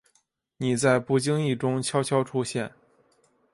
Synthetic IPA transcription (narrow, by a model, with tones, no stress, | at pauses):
ni˨˩t͡sa˥˧ɪpu˥˩t͡ɕi˥ŋi˥˩ʈ͡ʂʊ˥ŋt͡ɕʰjɑ˥ʊt͡ɕʰjɑ˥ʊʈ͡ʂʰu˥ɕjɛ˥˩n